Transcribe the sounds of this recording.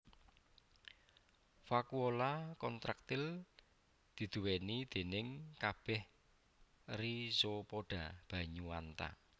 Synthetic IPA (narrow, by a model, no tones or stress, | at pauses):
fakuolakɔnt̪ɾak̚t̪ɪl | d̪̥i̤d̪̥uwenid̪̥e̤nɪŋkab̥ɛh | risopoɖ̥a̤b̥ä̤ɲuwant̪a̰